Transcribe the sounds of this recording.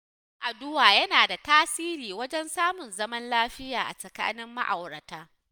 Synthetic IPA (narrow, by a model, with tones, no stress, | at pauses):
ŋʔa˨dʊ˦waː˨jɐ˦naː˨da˨taː˦siː˦ɾiː˨wɐ˦d͡ʒɛ˦nsaː˦mʊ˨nzɐ˦mɐ˦nlaː˦ɸɪ˦jaː˨ʔa̰˨sɐ˨ka̰ː˦nɪ˦mːa̰˦ʔa̰˨wɽɐ˨taː˦